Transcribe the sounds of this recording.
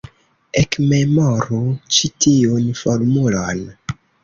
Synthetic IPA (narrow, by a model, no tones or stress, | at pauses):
ekme̞moɾut͡ʃitʰiunfoɾmulon